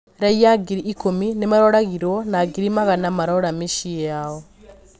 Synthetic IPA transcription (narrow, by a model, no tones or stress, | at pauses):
ɾaiaɡiɾiʔːkominemaɾoɾaɣiɾonaɡiɾimaɣanamaɾoɾameʃijao